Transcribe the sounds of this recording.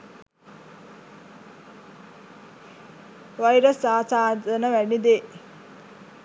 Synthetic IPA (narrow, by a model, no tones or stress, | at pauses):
ʋajɾəsːaːsaːd̪ənəʋænid̪e